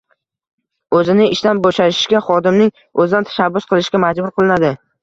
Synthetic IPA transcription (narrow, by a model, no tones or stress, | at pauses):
ɵzɪnɪɪʃt̪anboʃaɪ̥ʃkʲaχɒd̪ɪmnɪŋ | ɵzɪd̪ant̪ʰḁʃabːʊsqʰɨlˠɪʃɡʲamad͡ʒbʊɾqʰɨlˠɪnad̪ɪ